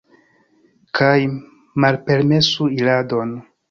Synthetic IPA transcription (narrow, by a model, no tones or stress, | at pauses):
kʰaj | malpe̞ɾme̞suilado̞n